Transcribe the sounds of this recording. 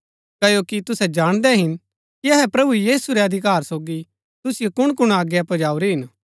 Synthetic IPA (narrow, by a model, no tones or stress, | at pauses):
kɐjokit̪ʊsɛd͡ʒaːɽ̃d̪ɛɦɪn | kiɐɦɛpɾɐbujiːsuɾeɐd̪ʱɪk̬aːɾsoːɡi | t̪ʊsɪjokʊɽ̃kʊɽ̃aːɡjapɐd͡ʒaːuɾiɦɪn